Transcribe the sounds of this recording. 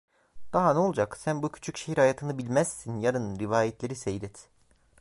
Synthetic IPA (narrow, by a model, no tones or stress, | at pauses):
d̪̥aɦanɛolˠd͡ʒaksænbucʰy̥t͡ʃʰycʃe̞hiɾhajaːt̪ʰɯnɯbilʲmæz̥sinjaɾɯnɯnɾivaːjɛt̪lʲeɾisejlʲɛt̪